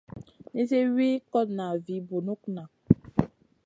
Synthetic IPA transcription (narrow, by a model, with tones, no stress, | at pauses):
ne˦se˦wi˦kɔ˦tna˨vi˨bu˨nu˦kna˨